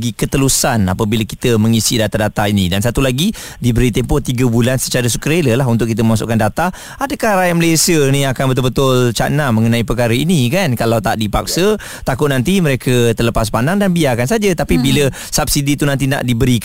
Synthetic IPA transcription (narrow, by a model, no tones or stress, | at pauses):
ɡikət̪əlusana̰pəbiləki̥t̪əməŋisidat̪adat̪ainidansat̪ulaɡi | dibəɾit̪empɔt̪iɡəbulansə̥t͡ʃaɾəs̬ukəɾeləlaɦunt̪ʊʔkːit̪əməmas̬ʊ̰ʔkandat̪a | adəkahɾajaməlesiəniakanbət̪ʊlbət̪ʊlt͡ʃa̰ʔnaməŋənãipəkaɾəinikankalawt̪aʔdipak̚sə | t̪akʊt̪̚nant̪iməɾekʰət̪ərləpas̬pandaŋdanbiakansad͡ʒət̪apibilə | sap̚sidit̪unant̪̬ina̰ʔdibəɾik